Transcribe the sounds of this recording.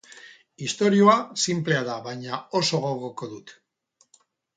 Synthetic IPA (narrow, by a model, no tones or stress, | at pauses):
ist̪o̞ɾio̞asimple̞aðaβajɲao̞so̞ɣo̞ɣoko̞ðut̪